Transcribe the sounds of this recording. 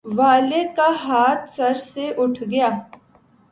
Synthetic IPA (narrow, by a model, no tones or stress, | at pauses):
ʋaːlekaːɦaːt̪səɾseʔʊʈʰɡɪjaː